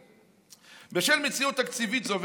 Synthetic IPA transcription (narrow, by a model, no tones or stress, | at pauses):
beʃelmet͡siut̪ːakt͡sivit̪zov